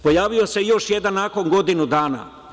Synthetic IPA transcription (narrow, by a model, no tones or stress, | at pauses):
po̞jaːʋiosejo̞ʃjed̪anːako̞ŋɡo̞d̪inud̪aːna̰